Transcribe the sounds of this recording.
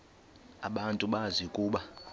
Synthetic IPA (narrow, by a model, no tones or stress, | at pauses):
a̰ɓantʼuɓazikʼuːɓa